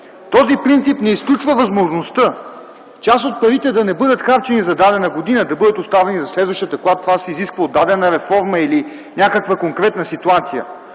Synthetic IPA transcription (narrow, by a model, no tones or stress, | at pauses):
t̪ɔzipɾint̪sipnɛisklʲut͡ʃvəvɐzmoʒnost̪ə | t͡ʃasot̪̚pɐɾit̪ɛd̪ɐnɛbɤd̪ət̪xaɾt͡ʃɛnizɐd̪ad̪ɛnəɡod̪inəd̪ɐbɤd̪ət̪ost̪avɛnizɐslɛd̪vɐʃt̪iət̪ɐkoɡˠat̪ːovasɛiziskvəod̪ːad̪ɛnəɾɛfɔɾməili | nʲakəkvəkoŋkɾɛt̪nəsit̪uat̪sijə̰